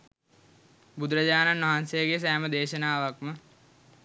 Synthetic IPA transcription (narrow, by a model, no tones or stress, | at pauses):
bud̪ɾəd͡ʑaːnanʋaɦansejəɡejs̬æːməd̪eːʃənaːʋakmə